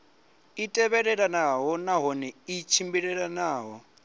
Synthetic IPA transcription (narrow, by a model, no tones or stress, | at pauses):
itʼɛβɛɺɛɺanaɦɔnaɦɔnɛit͡ʃʰimbiɺɛɺanaːɦɔ